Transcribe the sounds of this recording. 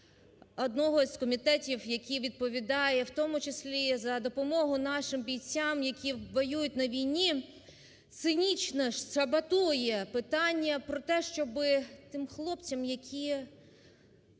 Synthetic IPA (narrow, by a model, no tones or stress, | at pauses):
ɔd̪nɔɦɔsʲkɔmʲit̪ɛtʲiwjɐkʲiʋʲid̪̚pɔʋʲid̪ɑjɛwt̪ɔmʊt͡ʃɪsʲlʲizɐd̪ɔpɔmɔɦʊnɑʃɪmbʲijt͡sʲːɑmjɐkʲiʋɔjujʊtʲnɐʋʲijnʲi | t̪sɪnʲit͡ʃnɐʃʃɐbɐt̪ujɛpɪt̪ɑnʲːɐpɾɔt̪ɛʃt͡ʃɔbɪt̪ɪmxlˠɔpt͡sʲɐmjɐkʲʰi